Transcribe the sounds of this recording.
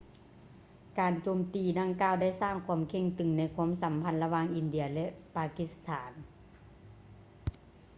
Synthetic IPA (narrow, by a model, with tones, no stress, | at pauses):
kaː˨˩nt͡ɕoː˨˩mt̪iː˨da˧ŋkaː˧˨wda˥˩jsaː˥˩ŋkʰwuː˧˥ə˨mkʰe˧˥˩ŋt̪ɯ˨˩ŋna˧˥jkʰwu˧˥ə˨msa˨˦mpʰa˧˥nla˧waː˧˨ŋʔi˨˧˨ndɯ˧˨ɐlɛ˧ʔpaː˧ki˧˥st̪ʰaː˩˦n